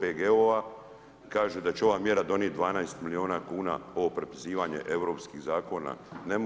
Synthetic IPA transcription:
peɡeoʋa | kaːʒed̪at͡ɕeo̞ʋaːmje̞ɾad̪o̞njet̪̚d̪ʋaːnajst̪milioːnakuːna̰o̞opɾepiziːʋaɲe̞̰ʔeʋɾo̞ːpskiɣzaːko̞na̰ne̞m

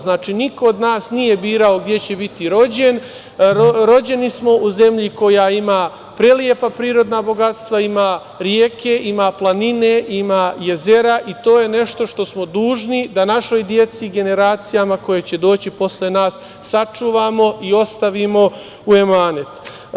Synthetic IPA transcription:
znaːt͡ʃiːnikood̪naːsnije̞biːɾao̞ɡd̪je̞t͡ɕe̞bit̪iɾo̞d͡ʑe̞n | oɾo̞d͡ʑe̞nismo̞ʔuze̞mʎiko̞jaimaː | pɾeljepapɾiːɾo̞d̪nabo̞ɡat̪st̪ʋaimaː | ɾjeːkʰe̞ʔimaːplˠanine̞ʔimaːje̞ze̞ɾaʔit̪o̞ːje̞ne̞ʃt̪o̞ʃt̪o̞smod̪uːʒnid̪anaʃo̞jd̪je̞t̪siɡe̞ne̞ɾaːt̪sijamako̞je̞t͡ɕe̞d̪o̞ːt͡ɕipo̞slenaːsː | at͡ʂuːʋaːmo̞io̞st̪aʋimo̞ | ue̞maːnet̪

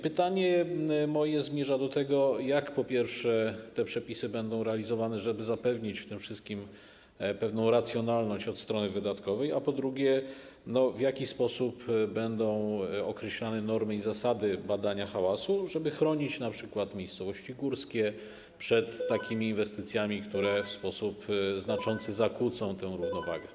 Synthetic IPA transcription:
pɘt̪aɲɛmɔjɛzmʲjɛʐad̪ɔt̪ɛɡɔjakpɔpʲjɛɾfʂɛt̪ɛpʂɛpʲisɘbɛnd̪ɔ̃w̃ɾɛalʲizɔvanɛʐɛbɘzapɛvɲit͡ɕft̪ɘmfʂɘst̪̚kʲim | pɛvnɔ̃w̃ɾat̪sʲjɔnalnɔɕt͡ɕɔt̪st̪ɾɔnɘvɘd̪at̪kɔvɛjapɔd̪ɾuɡʲjɛ | nɔvjakʲispɔsupbɛnd̪ɔ̃w̃ɔkɾɛɕlanɛnɔɾmɘizasad̪ɘbad̪aɲaxawasuʐɛbɘxɾɔɲit͡ɕnapʂɘkwat̪mʲjejst̪sɔvɔɕt͡ɕiɡuɾskʲɛ | pʂɛt̪ːakʲʰimʲiːnvɛst̪ɘt̪sʲjamʲikt̪uɾɛfspɔsupznat͡ʂɔnt̪sɘzakut̪sɔ̃w̃t̪ɛ̃w̃ɾuvnɔva̰ɡɛ

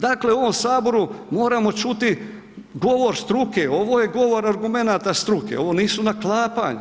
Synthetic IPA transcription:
d̪aːkle̞o̞ʋo̞msaːbo̞ɾumo̞ːɾamo̞t͡ʃut̪i | ɡo̞ʋo̞ɾst̪ɾuke̞o̞ʋoːjeɡo̞ʋo̞ɾaɾɡume̞naːt̪ast̪ɾukḛo̞ʋo̞ːniːsunaklˠaːpa̰ɲu

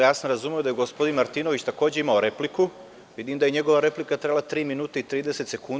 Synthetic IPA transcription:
jaːsnɾazumeo̞d̪ajeɡo̞spo̞d̪inmaɾt̪iːnoʋit͡ɕt̪ako̞ːd͡ʑeimao̞ɾe̞pliku | ʋid̪imd̪ajeɲe̞ɡo̞ʋaɾe̞plikat̪ɾe̞blˠat̪ɾiːminuːt̪eit̪ɾiːd̪e̞se̞t̪se̞kun

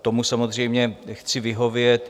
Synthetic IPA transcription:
t̪o̞musamo̞zr̝ɛjmɲɛxt͡sɪvɪɦo̞vjɛt̪

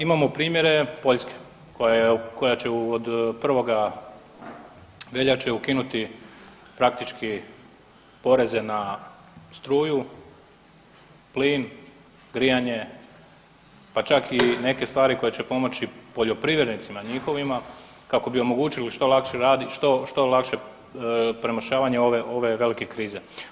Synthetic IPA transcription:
imamo̞pɾiːmje̞ɾe̞po̞ʎʲske̥ | ko̞jajeko̞jat͡ɕe̞uod̪pr̩ʋo̞ɡa | ʋe̞ʎat͡ʃeukinut̪i | pɾak̚t̪it͡ʃki | po̞ɾe̞ze̞na | st̪ɾuːju | pliːn | ɡɾijaɲe̞ | pat͡ʃakine̞ke̞st̪ʋaːɾiko̞jet͡ɕepo̞mo̞t͡ɕipoʎo̞pɾiʋjeɾnit̪simaɲixo̞ʋima | kako̞bio̞mo̞ɡuːt͡ʃiliʃt̪o̞lˠakʃeɾaːd̪iʃt̪oʃt̪o̞lakʃe̞ | pɾe̞maʃaːʋaɲeo̞ʋeʔo̞ʋe̞ʋe̞like̞kɾiːze̞

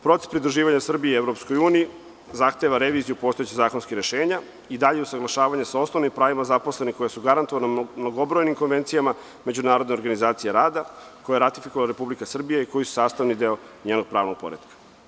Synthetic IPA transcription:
pɾo̞t̪e̥spɾid̪ɾuʒiːʋaɲasr̩bieevɾopskojuːniji | zaxt̪e̞ʋaɾeʋiːzijupo̞st̪o̞et͡ɕizaːko̞nskiɾeʃeːɲa | id̪aʎeusaɡlaʃaːʋaɲasao̞sno̞ʋnimpɾaːʋimazaposlˠe̞niko̞jasuɡaɾant̪oʋanmnoɡobɾojnimkonʋe̞nt̪sijama | me̞d͡ʑunaːɾod̪neoɾɡanizaːt̪sijeɾaːd̪a | ko̞jaɾat̪ifikoʋalaɾe̞publikasr̩bijaiko̞jisu̥saːst̪aʋnid̪eo̞ | ɲeːnoɡ̚pɾaːʋnoɡ̚po̰ɾed̪kḁ

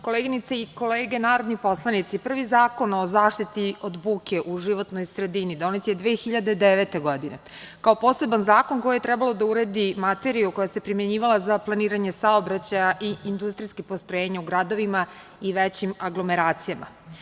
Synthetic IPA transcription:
ko̞leːɡinit̪seiko̞leːɡe̞naːɾo̞d̪nipo̞slˠanit̪sipr̩ʋizaːko̞no̞zaːʂt̪it̪iod̪buːkeʔuʒiʋo̞t̪nojsɾe̞d̪inid̪onit̪sajed̪ʋeːxiʎad̪ed̪eʋe̞t̪e̞ɡo̞d̪ine | kao̞po̞ːse̞banzaːko̞nko̞jiet̪ɾɛbalo̞d̪auɾed̪imat̪e̞ɾiuko̞jase̞pɾimje̞ɲiːʋalˠazaplˠaniːɾaɲesaobɾat͡ɕajaʔiind̪ust̪ɾijskipost̪ɾojeːɲauɡɾad̪o̞ʋima | iʋet͡ɕimaɡlˠo̞me̞ɾaːt̪sijamʔa̰

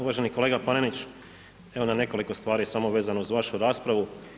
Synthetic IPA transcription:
uʋaʒe̞niko̞le̞ːɡapanenit͡ʃ | eʋo̞nane̞ko̞liko̞st̪ʋaːɾisamoʋe̞ːzanouzʋaʃuɾaːspɾaʋu

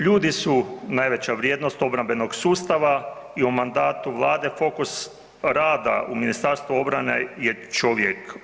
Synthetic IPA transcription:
ʎuːd̪isunaːjʋe̞t͡ɕaʋɾjeːd̪nost̪o̞bɾambe̞no̞ɡsuːst̪aʋa | iumand̪aːt̪uʋlˠaːd̪e̞fo̞kus | ɾaːd̪a̰ʔuminist̪aɾst̪ʋuo̞bɾane̞̰jet͡ʃoʋjek

